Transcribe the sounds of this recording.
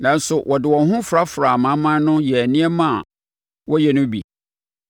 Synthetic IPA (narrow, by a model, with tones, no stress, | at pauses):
nã˨n˦sʊ˨wʔɔ˨dɪ˨wɔ̃˨nɦʊ̃˦fɾa˦fʊ˨ɾa˨mã˦mã˦nʊ̃˦jɛ˨nɪ̃˦ɛ˦mã˦˨ | wɔ˦jɛ˨nʊ̃˦bḭ˨